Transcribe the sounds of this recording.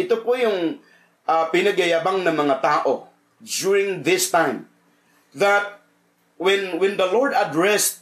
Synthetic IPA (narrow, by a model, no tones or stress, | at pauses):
ɪt̪opojʊŋ | ʔapɪnɐɡɐjaːbaŋnɐmɐŋat̪aːʔo | djuɹɪ̃ŋðɪst̪ãjm | ðat̪̚ | wɛnwɛ̃nd̪ɐlɔɹd̪ad̪ɹɛst̪̚